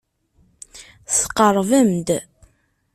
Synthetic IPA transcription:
sə̥qːəɾˤvəmd̪

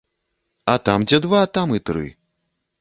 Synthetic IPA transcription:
ɐt̪amd͡zʲɛd̪vat̪amit̪ɾɨ̰

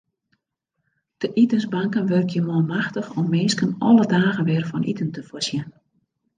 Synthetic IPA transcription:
d̥əʔitənzbaŋkənʋørkʰjəmɔmaxtəxɔmːɪːskənɔlədaːɣənʋɪːrfɔnʔḭtəntəfosjən

